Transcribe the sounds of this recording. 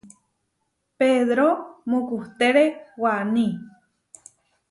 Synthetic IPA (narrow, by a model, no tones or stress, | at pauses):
peðɾomũkuht̪eɾewanĩ